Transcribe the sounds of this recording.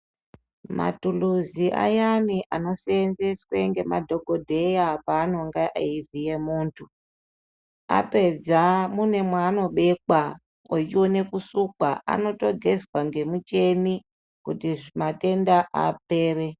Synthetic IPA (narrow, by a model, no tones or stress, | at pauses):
ma̰tuluziʔa̰janiʔano̞seːnzesweŋɡe̞madʱo̞ɡʱo̞dʱe̞japaːno̞ŋɡaʔeivije̞muːntʰu | a̰pe̞d͡zamune̞mwaːno̞ɓe̞ka | ot͡ʃione̞kusukwaʔa̰no̞to̞ɡʱe̞zwaŋɡe̞mut͡ʃe̞ni | kutiʐimate̞ndaʔa̰p̚e̞ːre̞